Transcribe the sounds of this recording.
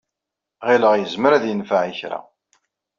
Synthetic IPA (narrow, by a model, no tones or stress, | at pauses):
ʁiləʁjəzməɾæðjənfaʕiçɾa̰